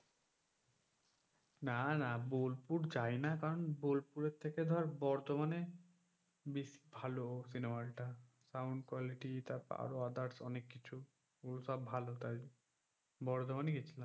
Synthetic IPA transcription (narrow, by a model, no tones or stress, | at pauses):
nanabolpuɾd͡ʑajnakaɾɔnbolpuɾeɾt̪ʰːeked̪ʱɔɾbɔɾt̪omane | bisi̥bʱaloosinemalʈa | sawɳɖkwaliʈit̪apa̰ɾoad̪aʈsɔnekːit͡ʃʰu | ulsɔbbʱalot̪aj | bɔɾt̪omaneɡet͡ɕʰilam